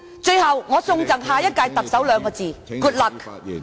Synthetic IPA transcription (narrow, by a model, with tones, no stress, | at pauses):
t͡ʃɵ˥˧ɥhɐ˨wŋɔː˨˧sʊ˧ŋt͡sɐ˨ŋɦaː˨jɐ˥t̚kaː˧jt̪ɐ˨k̚sɐ˨˥wlœː˨˧ŋkɔː˧t͡siː˨kuː˧˩t̚lɐ˨k̚